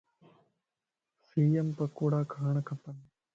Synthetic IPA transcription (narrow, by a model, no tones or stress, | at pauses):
siːɐmpɐkːuːɽaːkʰaːɳɐkːɐpːɐn